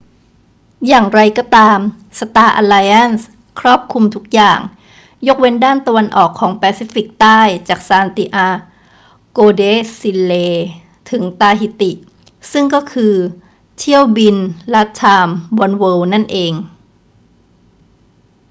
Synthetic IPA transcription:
jaː˨˩ŋɾa˧jkɔː˥˩t̪aː˧m | sa˧t̪aː˧ʔa̰ː˧laː˧jʔa˥˩ns | kʰɾɔː˥˩p̚kʰu˧mt̪ʰu˦˥k̚jaː˨˩ŋ | jo˦˥k̚we˧ndaː˥˩nt̪a˧wa˧nʔɔː˨˩kʰːɔː˩˦ŋpɛː˧siː˦˥fi˨˩k̚t̪aː˥˩jt͡ɕaː˨˩k̚saː˧nt̪iː˧ʔaː˧ | koː˧deː˦˥si˧lleː˧ | t̪ʰɯ˩˦ŋt̪aː˧hi˨˩t̪i˨˩ʔ | sɯ˥˩ŋkɔː˥˩kʰɯː˧ | t̪ʰi˥˩əwbi˧nla˦˥t̚t͡ɕʰaː˧mwɔ˧nwɤː˧wna˥˩nʔeː˧ŋ

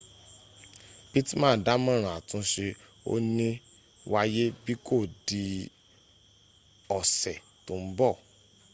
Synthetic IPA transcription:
bi˦ti˦mãː˦˨da˨˦mã˦ɾ̃ã˨a˨tũ˧ʃe˧ | o̰˦nĩ˦ | wa˧je˦bi˦ko˦˨di˧ | ɔ˨sɛ˨ | to˨˦m̩˦bɔ˦˨

